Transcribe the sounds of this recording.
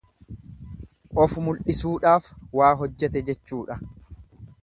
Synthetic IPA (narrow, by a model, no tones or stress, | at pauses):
ʔɔfʊmʊlʔɪsuːᶑaːfwaːɦɔd͡ʒːɛt̪ɛd͡ʒɛt͡ʃːuːᶑɐ